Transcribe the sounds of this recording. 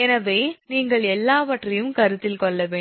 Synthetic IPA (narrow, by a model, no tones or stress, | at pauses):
ɛnɐʋeːniːŋɡɐɭɛlːaːʋɐʈrɐjɯmkɐɾɯt̪ːɪlkɔɭːɐʋeː